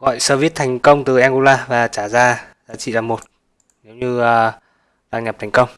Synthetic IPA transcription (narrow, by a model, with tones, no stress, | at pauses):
ɣɔ̰˧˨jsəː˧vi˦˥ət̚t̪ʰɛ˨˩jŋ̟kə˧wŋ͡mt̪ɨ˨˩ʔɛ˧nʔu˧laː˧vaː˨˩t͡ɕaː˧˩zaː˧zaː˨˦t͡ɕḭ˧˨laː˨˩mo˨˩t̚ | ne˨˦wɲɨː˧˨˩ | ɗaː˧ŋɲə˨˩p̚t̪ʰɛ˨˩jŋ̟kə˧wŋ͡m